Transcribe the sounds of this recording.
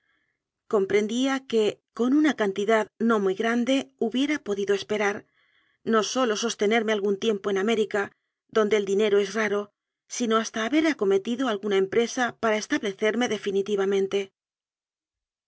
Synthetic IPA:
ko̞mpɾe̞nd̪iake̞ko̞nunakant̪iðaðno̞mujɣɾand̪e̞uβje̞ɾapo̞ðiðo̞espe̞ɾaɾ | no̞so̞lo̞so̞st̪e̞ne̞ɾme̞alɣunt̪je̞mpo̞ename̞ɾika | ðo̞nd̪e̞ːld̪ine̞ɾo̞e̞sraɾo̞ | sino̞ast̪aːβe̞ɾako̞me̞t̪iðo̞alɣunaempɾe̞sapaɾae̞st̪aβle̞θe̞ɾme̞ðe̞finit̪iβ̞amẽ̞nt̪e̞

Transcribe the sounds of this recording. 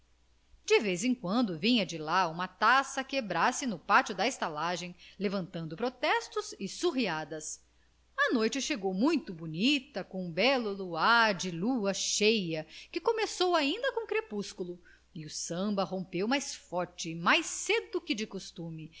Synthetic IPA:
d͡ʒɪvejzẽkwɐ̃nd̪ʊvĩɲɐd͡ʒɪlaũmɐt̪asɐkebɾasɪnʊpat͡ʃʊd̪ɐest̪alaʒẽj̃levɐ̃nt̪ɐ̃nd̪ʊpɾot̪ɛst̪ʊzɪsuɦiad̪ɐs | ɐnojt͡ʃɪʃeɡowmũj̃t̪ʊbunit̪ɐkõbɛlʊluaɾd͡ʒɪluɐʃejɐkɪkomesowaĩnd̪ɐkõkɾepuskulʊ | iʊsɐ̃mbɐɦõpewmajsfɔɾt͡ʃɪmajsed̪ʊkɪd͡ʒɪkost̪ũmɪ

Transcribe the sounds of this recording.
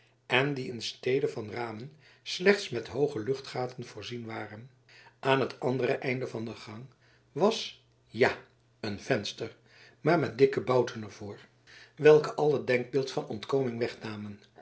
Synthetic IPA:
ɛndiɪnstejdəvɑnraːmən | slɛχtsmɛtɦowχəlɵχtχaːtənv̥ʊːɹzinʋaːrən | ʔaːnɦətɑndərəʔɛjndəvɑndəχɑŋ | ʋɑs | ja | ənv̥ɛnstər | maːɹmɛt̚dɪkəbɑwtənɛɹv̥ʊːɹ | ʋɛlˠkəʔɑlˠɦəd̚dɛŋɡ̚bɪːlˠtfɑnɔntkowmɪŋʋɛχnaːmən

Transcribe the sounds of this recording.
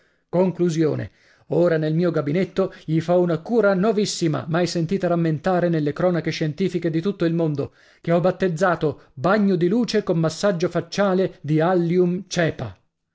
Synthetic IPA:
koŋkluzjo̰ːnḛ | oːɾanelmiːoɡabinet̪ːoʎifɔunakuːɾanovisːima̰majsent̪iːt̪aɾamːent̪aːɾenelːekɾɔːnakeʃɛnt̪iːfiked̪it̪ut̪ːoilmond̪o | k̟eɔbat̪ːed̪zːaːt̪obaɲːod̪iluːt͡ʃekomːasːad͡ʒːofat͡ʃːaːled̪ialːjumt͡ʃɛːpa̰

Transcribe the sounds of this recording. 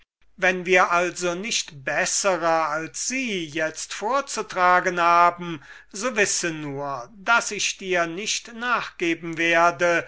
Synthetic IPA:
vɛnviːɐʔalzonɪʃtbɛsəʁɐalsz̥iːjɛt͡stfoːɐt͡sutʁ̥aːɡənhaːbm̩ | zoːvɪsənuːɐdasɪʃd̥iːɐnɪʃtnaːχɡ̥eːbm̩veːɐdə

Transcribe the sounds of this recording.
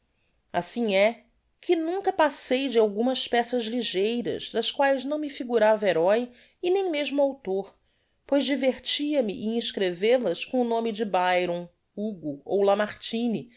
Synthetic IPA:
asĩŋɛ | kʰɪnũŋkɐpasejd͡ʒɪawɡũmɐspɛsɐzliʒejɾɐ̰zd̪ɐʃkwajznɐ̃w̃mɪfiɡuɾaveɾɔj | ɪnẽj̃meʒmʊawt̪oɾ | pojzd͡ʒiveɾt͡ʃiɐmɪʔẽĩʃkɾevelɐskõʊnõmɪd͡ʒɪbajɾõw̃ | uɡuowlamaɾt͡ʃĩni

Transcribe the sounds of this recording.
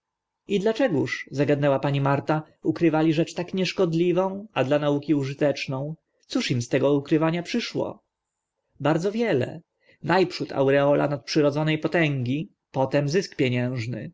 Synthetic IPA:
id̪lat͡ʂɛɡuʂzaɡad̪nɛwapaɲimaɾt̪a | ukɾɘvalʲiʐɛt͡ʂt̪akɲɛʂkɔd̪lʲivɔ̃w̃ad̪lanaukʲiuʐɘt̪ɛt͡ʂnɔ̃w̃ | t̪suʂimst̪ɛɡɔukɾɘvaɲapʂɘʂwɔ̰ | baɾd̪zɔvʲjɛlɛ̰ | najpʂut̪a̰wɾɛɔlʔa̰nat̪̚pʂɘɾɔd̪zɔnɛjpɔt̪ɛŋɡʲi | pɔt̪ɛmzɘskpʲjɛɲɛ̃ʐnɘ̰

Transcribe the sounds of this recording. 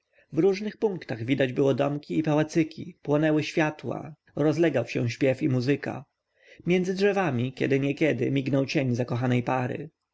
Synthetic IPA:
vɾuʐnɘxpuŋkt̪aɣvʲid̪ad͡ʑbɘwɔd̪ɔmkʲiːpawat̪sɘkʲʰḭpwɔnɛwɘɕfʲjat̪wa̰ | ɾɔzlɛɡawɕɛ̃ɕpʲjɛfimuzɘka̰ | mʲjɛnd̪zɘdʐɛvamʲikʲɛ̰d̪ɘɲɛkʲɛd̪ɪ̰mʲiɡnɔwt͡ɕeɲzakɔxanɛjpaɾɘ̰

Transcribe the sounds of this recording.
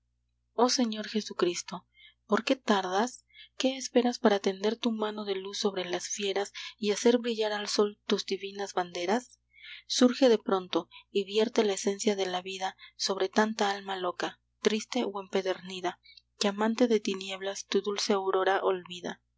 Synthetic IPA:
o̞se̞ɲo̞ɾxe̞sukɾist̪o̞ | po̞ɾke̞t̪aɾðaske̞ːspe̞ɾaspaɾat̪e̞nd̪e̞ɾt̪umãno̞ðe̞lusːo̞βɾe̞lasfje̞ɾasiase̞ɾβɾiʝaɾalso̞lt̪uzd̪iβinazβand̪e̞ɾasː | uɾxe̞ðe̞pɾo̞nt̪o̞iβje̞ɾt̪e̞laese̞nsjaðe̞laβiðaso̞βɾe̞t̪ant̪aalmalo̞ka | t̪ɾist̪e̞oe̞mpe̞ðe̞ɾniðakeamãnt̪e̞ðe̞t̪inje̞βlast̪uðulse̞awɾo̞ɾaʔolβiða̰

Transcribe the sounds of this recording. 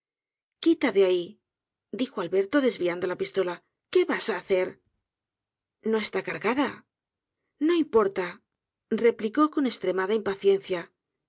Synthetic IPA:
kit̪aðeai | d̪ixo̞alβe̞ɾt̪o̞ðe̞zβiand̪o̞lapist̪o̞la | ke̞βasaːθe̞ɾ | no̞e̞st̪akaɾɣaða | no̞impo̞ɾt̪a | re̞pliko̞ko̞ne̞st̪ɾe̞maðaimpaθje̞nθja

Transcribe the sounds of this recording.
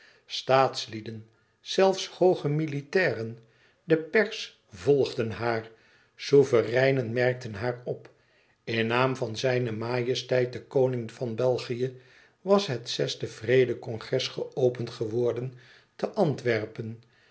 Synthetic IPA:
staːtslidən | z̥ɛlˠfshowχəmilitɛːrən | dəpɛɹs | vɔlˠχdənɦaːr | suvərɛjnənmɛrk̚tənɦaːrɔp | ɪnaːmvɑnzɛjnəmaːjəstɛjt̚dəkownɪŋvɑnbɛlˠχijə | ʋɑsɦətsɛstəvrejdəkɔŋχrɛsχəowpəntχəʋɔɹdən | təʔɑntʋɛɹpən

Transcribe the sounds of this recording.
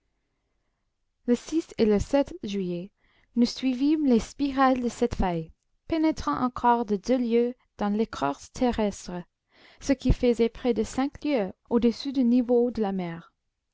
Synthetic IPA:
ləsiseləsɛt̪ʒɥije | nusɥivimlespiʁald̪əsɛt̪faj | penɛt̪χɑ̃ʔɑ̰̃kʰɔʁd̪əd̪øljø | d̪̥ɑ̃lekʰɔ̰ʁst̪ʰeʁɛst̪χə | səkifəzɛpχɛd̪əsɛ̃kljøod̪əsyd̪ynivod̪əlamɛːʁ

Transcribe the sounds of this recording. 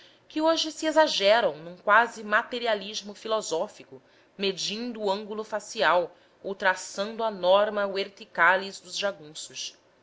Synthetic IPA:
kɪoʒɪsɪezaʒɛɾɐ̃w̃nũkwazɪmat̪eɾialiʒmʊfilɔzɔfikʊ | med͡ʒĩnd̪ʊːɐ̃ŋɡulʊfasiaw | owt̪ɾasɐ̃nd̪ʊɐnɔɾmɐveɾt̪ikalizd̪ʊzʒaɡũsʊs

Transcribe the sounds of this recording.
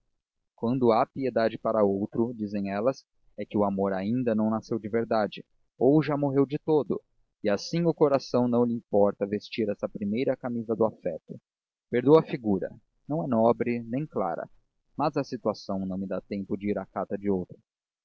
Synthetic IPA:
kwɐ̃nd̪ʊapied̪ad͡ʒɪpaɾɐowt̪ɾʊd͡ʒizẽj̃ɛlɐs | ɛkɪʊamoɾaĩnd̪ɐnɐ̃w̃nasewd͡ʒɪveɾd̪ad͡ʒɪ | owʒamoɦewd͡ʒɪt̪od̪ʊ | ɪasĩŋʊkoɾasɐ̃w̃nɐ̃w̃lɪĩpɔɾt̪ɐvest͡ʃiɾɛsɐpɾimejɾɐkamizɐd̪ʊafɛt̪ʊ | peɾd̪owɐfiɡuɾɐ̰ | nɐ̃w̃ɛnɔbɾɪnẽj̃kla̰ɾɐ̰ | mɐzɐsit̪uasɐ̃w̃nɐ̃w̃mɪd̪at̪ẽmpʊd͡ʒɪiɾakat̪ɐd͡ʒɪowt̪ɾʊ

